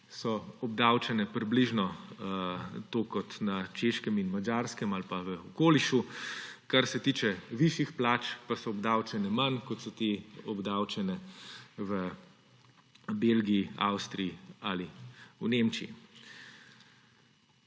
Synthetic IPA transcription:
sɔɔb̚d̪awt͡ʃɛnɛpɾibliʒnɔ | t̪oːkɔt̪nat͡ʃeʃkɛminmad͡ʒaɾskɛmalpaʋəɔkoːliʃukaɾsɛt̪iːt͡ʃɛʋiʃixplaːt͡ʃpasɔɔbd̪awt͡ʃɛnɛmankɔt̪sɔt̪eɔbd̪awt͡ʃɛnɛʋə | beːlɡiia̰wst̪ɾiialiunemt͡ʃiḭ

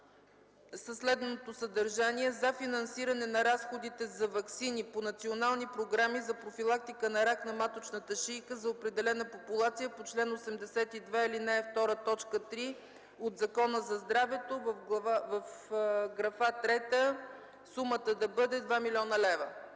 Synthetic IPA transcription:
səslɛd̪nnot̪osəd̪əɾʒaniɛzɐfinɐnsiɾɐnɛnɐɾasxod̪it̪ɛzɐvɐksiniponɐt̪sionalˠnipɾoɡɾamizɐpɾofilˠak̚t̪ikənɐɾaknɐmat̪ot͡ʃnət̪əʃijkəzɐopɾɛd̪ɛlɛnəpopulˠat̪sijəpot͡ʃlɛnosɛmd̪ɛsɛt̪id̪vɛilinɛɛft̪ɔɾət̪ɔt͡ʃkət̪ɾi | od̪zɐkɔnəzɐzd̪ɾavɛt̪ovəfɡˠɐavəfɡɾɐfat̪ɾɛt̪ə | sumət̪əd̪ɐbɤd̪ɛd̪vamilʲiɔnəlɛvə

